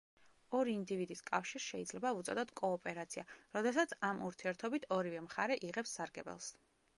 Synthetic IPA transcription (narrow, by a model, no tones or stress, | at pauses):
ɔɾiːnd̪ivid̪iskʼafʃiɾsʃɛid̪zlɛbaut̪sʼɔ̰d̪ɔt̪ʰkʼɔːpʼɛɾat̪sʰiaɾɔd̪ɛsat̪sʰamʔuɾt̪ʰiɛɾt̪ʰɔbit̪ʰɔɾivɛmχaɾɛʔiʁɛpsːaɾɡɛ̰bɛ̰lˠs